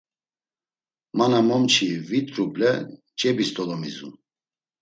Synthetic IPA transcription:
manamɔmt͡ʃʰivit̪ʼɾuplɛ̰ | t͡ʃʼɛbist̪ʼɔlɔmḭzṵ

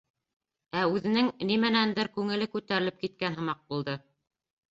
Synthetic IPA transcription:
æʉðɘ̆nɘŋnimænænd̪ɘɾkʉŋɘ̆lɘkʉt̪æɾɘlɘp̚kit̪̚kænɦɤ̆mɑq̚bulˠd̪ɤ

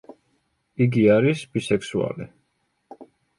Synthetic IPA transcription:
iɡiaɾisbisɛksua̰li

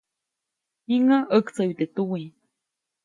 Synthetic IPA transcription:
iŋaʔəkt͡sait̪et̪uwi

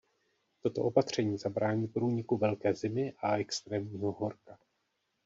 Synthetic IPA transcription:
t̪o̞t̪o̞ʔo̞pat̪r̝̥ɛɲiːzabɾaːɲiːpɾuːɲɪkuvɛlkɛːzɪmɪʔaʔɛkst̪ɾɛːmɲiːɦo̞ɦo̞ɾka

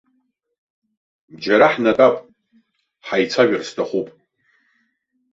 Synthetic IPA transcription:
d͡ʒaɾaħnatʼapʼ | ħajt͡sʰaʒɪrstʰaχupʼ

